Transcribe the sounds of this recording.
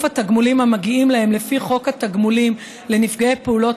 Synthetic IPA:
fhat̪aɡmulimamaɡiimlahe̞mlefiχo̞khat̪aɡmulim | le̞nifɡaepeulo̞t

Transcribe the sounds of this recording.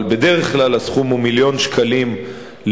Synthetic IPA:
lbe̞d̪eʁeχklalasχumumiljo̞nʃkʰalim | l

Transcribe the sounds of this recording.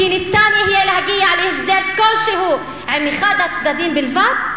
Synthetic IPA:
iːnɪt̪ːaːnihɪjːelhaɡɪjːaʕaliʔɪsd̪eːlkolːʃihuː | ʕɪmixad̪at̪sd̪ad̪iːnbɪlvat̪

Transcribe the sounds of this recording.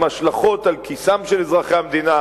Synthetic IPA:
maʃlaχo̞t̪alkʰisamʃelezʁaχeamd̪ina

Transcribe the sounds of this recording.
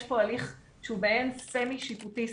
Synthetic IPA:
ʃpoaliχ | ʃeubeensemiʃiputi

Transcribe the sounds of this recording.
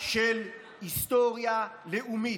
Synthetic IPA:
ʃɛl | istʼɔrijaleʔumi

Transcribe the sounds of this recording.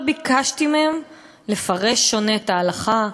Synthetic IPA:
bikaʃtimem | le̞faʁe̞ʃːo̞ne̞taːlaχa

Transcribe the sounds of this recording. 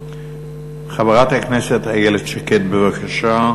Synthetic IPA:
χavaʁat̪hakneset̪hajeledʃaket̪bevakʰaʃa

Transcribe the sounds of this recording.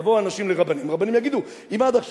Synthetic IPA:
voanaʃimleʁabanimʁabanimjaɡid̪u | imad̪aχʃ

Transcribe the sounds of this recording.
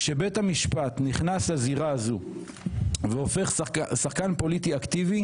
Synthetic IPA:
ʃe̞be̞thamiʃpat̪niχnashaziʁaːzu | veo̞fe̞χsaχkanpo̞litiakt̪ivi

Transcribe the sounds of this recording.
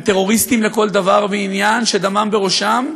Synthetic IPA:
t̪e̞ʁo̞ʁist̪imleko̞ld̪avaʁveinjanʃed̪amambeʁo̞ʃam

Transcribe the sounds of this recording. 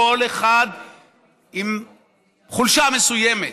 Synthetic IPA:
o̞leχad̪ | im | χulʃamesujeme

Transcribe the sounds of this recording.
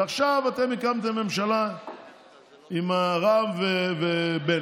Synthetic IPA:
aχʃavat̪emikamt̪emːe̞mʃala | imaʁamvevebe

